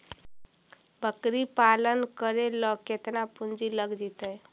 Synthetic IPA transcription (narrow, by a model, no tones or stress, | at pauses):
bʱəkɾipalənkəɾelɔket̪napund͡ʒiləɡd͡ʒit̪əj